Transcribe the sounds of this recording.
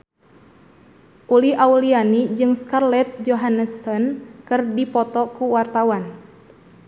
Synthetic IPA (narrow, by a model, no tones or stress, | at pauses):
ʔuliʔaulianid͡ʒɨŋskarlɛt̪̚d͡ʒoɦanəsɔnkɨrdipɔt̪ɔkuwart̪awan